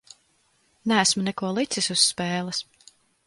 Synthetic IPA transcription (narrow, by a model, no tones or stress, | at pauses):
nææsmunɛkuɔlˠit̪sisusːpɛːlˠas